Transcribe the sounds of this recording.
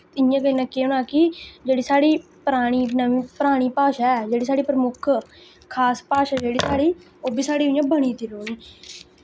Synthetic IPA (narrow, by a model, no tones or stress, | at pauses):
t̪ɪjãːkəinãːkeːʊnaːkɪd͡ʒeːɽiːsaːɽiː | pəɾaːɽ̃iːnəʋĩːpəɾaːɽ̃iːpaːʃaːɛd͡ʒeːɽiːs̬aːɽiːpɾəmʊkʰ | kʰaːspaːʃaːd͡ʒeːɽiːsaːɽiː | oːbʱiːsaːɽiːʊjãːbəɳ̃iːt̪iːɾoːniː